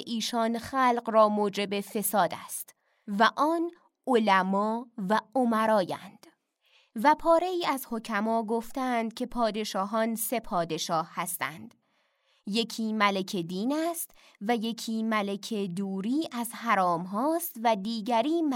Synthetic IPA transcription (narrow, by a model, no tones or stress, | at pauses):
ʔiːʃɒːnxæːlqrɒːmoːd͡ʒe̞be̞fe̞sɒːd̪æst̪ | væʔɒːn | olæmɒːvæomæɾɒːjæ̰nd̪̥ | væpʰɒːɾe̞iːæzho̞cʰæmɒːɡoft̪ænd̪̥̚kʰe̞pʰɒːd̪e̞ʃɒːɦɒːnse̞pʰɒːd̪e̞ʃɒːhhæst̪æ̰nd̪̥ | je̞cʰiːmælecʰed̪iːnæst̪ | væje̞cʰiːmæle̞cʰe̞d̪uːɾiːʔæzhæɾɒːmɦɒːst̪væd̪iːɟæɾiːm